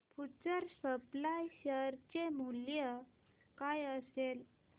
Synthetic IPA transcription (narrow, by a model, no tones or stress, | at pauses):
put͡səɾsəplajɕəɾt͡ɕemuljə | kajəsel